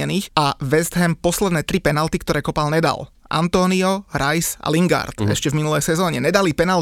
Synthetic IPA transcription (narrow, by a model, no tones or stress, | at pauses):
ɛniːxaʋɛzd̪ɦɛmpɔslɛd̪nɛːt̪ɾipɛnalt̪ikt̪ɔɾɛːkɔpalɲɛd̪a̰l | ʔa̰nt̪ɔːniɔɾajsa̰liŋɡa̰ɾt̪ɛ̰ʃcɛvminulɛjsɛzɔːɲɛɲɛd̪alipɛnal